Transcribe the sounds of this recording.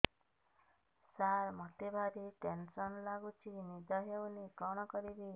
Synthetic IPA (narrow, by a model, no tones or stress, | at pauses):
saɾmɔt̪ebʱaɾiʈensɔnlaɡut͡ʃʰinid̪ʱɔɦewnikɾɔɽ̃ɔkɔɾibi